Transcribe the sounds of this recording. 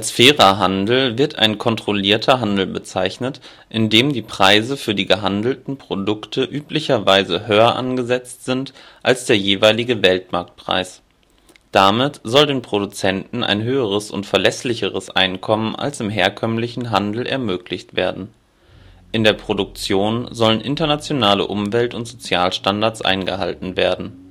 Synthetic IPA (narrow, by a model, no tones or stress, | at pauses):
ʔalsfɛːʁɐɦandl̩vɪɐta̰ɪnkʰɔntʁ̥oliːɐtʰɐɦandl̩bət͡saɪçnət | ʔɪndeːmdiːpʁ̥aɪzəfyːɐdiːɡəɦandl̩tn̩pʁ̥odʊktʰəʔyːplɪçɐvaɪzəɦøːɐʔa̰nɡəzɛt͡stz̥ɪnt | ʔalsd̥eːɐjeːvaɪlɪɡəvɛltmaɐk̚t̚pʁ̥a̰ɪs | d̥amɪtz̥ɔldeːnpʁ̥odut͡sɛntn̩a̰ɪnɦøːəʁ̞əsʊ̰ntfɛɐlɛslɪçəʁ̞əsʔa̰ɪnkʰɔmənʔa̰lsɪmɦeːɐkʰœmlɪçn̩ɦandl̩ʔɛ̰ɐmøːklɪçtv̥eːɐdn̩ | ʔɪndeːɐpʁ̥odʊk̚t͡sjoːnzɔlənʔɪntɐnat͡sjonaːlə̰ʔʊmvɛltʊntz̥ot͡sjaːlʃtandaɐt͡sʔa̰ɪnɡəɦa̰ltn̩veːɐdn̩